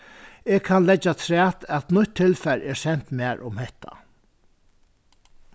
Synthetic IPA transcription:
eːɡkʰanlɛt͡ʃːat̪ʰɾæːt̪æt̪nʊt̪ʰːɪlfɛɾɛɹsɛn̥t̪mæːɹʔʊmhɛht̪ʰa̰

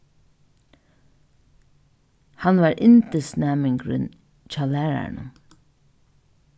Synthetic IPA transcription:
hɑnʋɑːɹʔɪnt̪əsnæːmɪŋɡɹʏ̰n | t͡ʃaːlæːɹæ̰ɳə̰

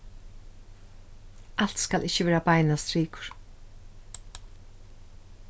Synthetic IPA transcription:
ʔal̥t̪skalʔɪçːɪʋɛːɾabajnast̪ɾiːkʊ̥ɹ̥

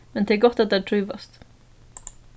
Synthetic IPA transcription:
mɛnt̪ʰɪɡɔt̪ːat̪̚d̪ɛæːʈʰɾʉːʋast̪

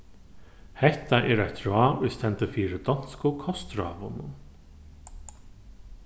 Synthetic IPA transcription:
hɛht̪aʔɛːɾajt̪ɹɔːʊjst̪ʰɛnt̪əfiːɾɪd̪ɔn̥skʊkʰɔst̪ɾɔ̰ːʋʊnʊn

